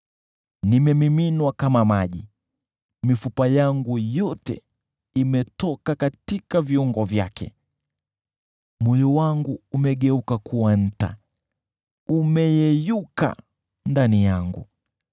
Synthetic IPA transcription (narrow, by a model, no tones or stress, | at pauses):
nimɛmiminwakamamaʄi | mifupajaŋɡujɔtɛ̰ | imɛtɔkakatikaviuŋɡɔvjakʰɛ̰ | mɔjɔwaŋɡuːmɛɠɛukakʰuwan̩ta̰ | umɛjɛjuka̰ | ndanijaŋɡu